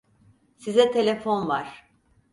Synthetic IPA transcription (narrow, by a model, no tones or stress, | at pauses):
sizɛt̪ʰe̞lʲefo̞nvaɾ̥